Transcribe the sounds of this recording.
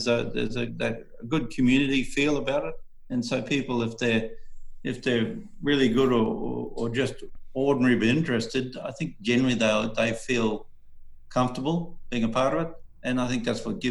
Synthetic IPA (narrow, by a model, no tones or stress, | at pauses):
zɨðə̰˞zɨðɨ | əɡʊd̚kʰɨmjʉnɨɾifilˠəbaʊɾɨt̚ | ɨ̃nsoʊpʰipl̩ˠɨfðə˞ɨfðə˞ | ɹɪlˠiɡʊɾə˞ə̰ə˞d͡ʒʌstɔɹdⁿn̩ɛɹibiɪ̃nt͡ʃɹ̥ɨstɨd̚a̰ɪθɪ̃ŋk̚d̥ʒ̥ɛ̃nə˞l̩ˠiðeɪðeɪfilˠ | kʰʌ̃ɱftə˞bl̩ˠb̥iɪ̃ŋəpʰɑɹɾʌvɨt | ʔɨ̃naɪθɪ̃ŋk̚ðætswʌt̚ɡ̥ɪ